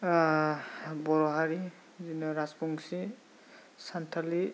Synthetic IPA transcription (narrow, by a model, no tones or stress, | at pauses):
bɔɾɔɦaɾi | zinɔɾasbɔŋsi | santʰali